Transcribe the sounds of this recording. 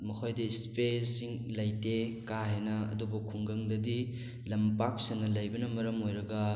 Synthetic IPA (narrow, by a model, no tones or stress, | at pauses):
mɐkʰojdɐspesiŋlɐjtekaɦenɐɐ̰dubɐkʰːuŋɡɐŋdɐdi | lɐmpak̚sɐnːɐlɐjbɐnɐmɐɾɐmojɾɐɡɐ